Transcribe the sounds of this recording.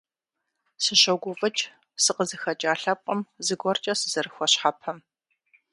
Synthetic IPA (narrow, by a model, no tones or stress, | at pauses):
sɨɕɐwɡʷʊfʼɐt͡ʃʼ | sɨqəzɨxɐt͡ʃʼaːɬɐp̚qʼɐmzɨɡʷɔrt͡ʃʼɐsɨz̥ɐɾɨxʷɔɕħapʰɐm